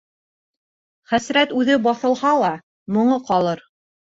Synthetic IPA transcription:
χæsɾæt̪ʉðɘbɑθɤ̆lˠhɑlˠɑ | mŏɴɤqɑlˠɤɾ

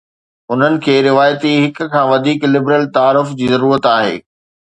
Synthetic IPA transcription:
ʊn̤ənɪ̆kʰeːɾɪʋaːjət̪iɦɪk̆kʰãːʋɐd̪ʱiːklɪbɾəlt̪aːɾʊfd͡ʑiːzɐɾuːɾət̪aːɦḛː

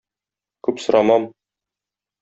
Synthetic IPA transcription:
kʉpsŏɾɑmɑm

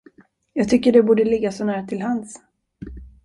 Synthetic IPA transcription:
jɑːɡ̚t̪ʰʏkːəɖɛbuːɖəlɪɡːasɔnæːɾat̪ʰɪlɦans

